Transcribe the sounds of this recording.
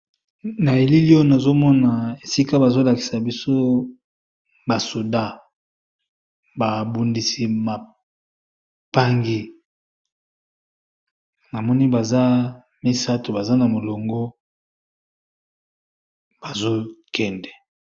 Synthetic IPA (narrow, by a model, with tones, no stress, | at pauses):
na˨e˨li˦li˦o˦na˨zo˦mɔ˦na˨e˨si˦ka˦ba˨zo˦la˨ki̥˨sa˨bi˦so˦ | ba˨so˨da˦ | ba˨bu˨ndi˨si˨ma˨ | pa˦ŋɡi˦ | na˨mɔ˦ni˦ba˨za˦ | mi˦sa˦to˨ba˨za˦na˨mo˨lo˨ŋɡo˦ | b̥a˨zo˦kɛ˦ndɛ˨